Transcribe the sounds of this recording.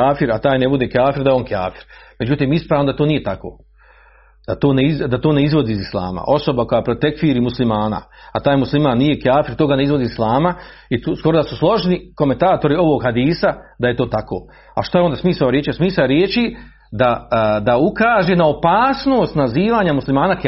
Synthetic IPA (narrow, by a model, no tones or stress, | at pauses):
aːfiɾat̪aːjnebud̪e̞ːkaːfiɾd̪ajeo̞nka̰ːfi̥ɾmed͡ʑut̪iːmispɾaːʋnod̪at̪oːnije̞t̪ako̞̰ː | d̪̥at̪oːneid̪at̪o̞ːne̞izʋo̞d̪iːzislˠa̰ːma̰ʔo̞so̞bako̞japɾot̪ekfiːɾiːmuslimaːna̰at̪aːjmuslimaːnːije̞kaːfiɾt̪oːɡaneizʋo̞d̪iːzislˠaːma | it̪usko̞ɾod̪asuslˠo̞ʒniko̞ment̪aːt̪o̞ɾio̞ʋo̞ɡhad̪iːsad̪aje̞t̪o̞ːt̪ako̰ː | a̰ʃt̪aeond̪asmiːsaoɾjeːt͡ʃijosmiːsaoɾjeːt͡ʃi | d̪ad̪aukaːʒenao̞paːsno̞ːst̪naziːʋaːɲamuslimaːnak